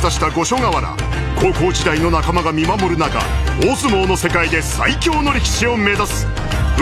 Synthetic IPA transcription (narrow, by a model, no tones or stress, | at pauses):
t̪aɕi̥t̪aɡo̞ɕo̞ɡaβaɾa̰ | ko̞ːko̞ːʑid̪aino̞nakamaɡamʲimamo̞ɾɯ̟naka̰oːsɨmo̞ːno̞se̞kaid̪e̞sa̰ikʲo̞ːno̞ɾʲikʲi̥ɕio̞me̞zasɨ̥